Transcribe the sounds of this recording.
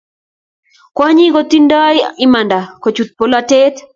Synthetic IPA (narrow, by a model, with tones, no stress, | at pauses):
kwa˦ɲi˦ɡo˦t̪i˦ndɔ˦ɪ˦ma˨nda˨ko˨t͡ʃu˨t̪̚po˨la˦te˦t̪